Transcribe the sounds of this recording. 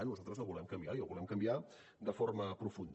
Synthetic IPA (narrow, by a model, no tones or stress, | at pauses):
annuzalˠt̪ɾəzəlˠβulɛmkəmbiaiəlβulɛmkəmbia | d̪əforməpɾufund̪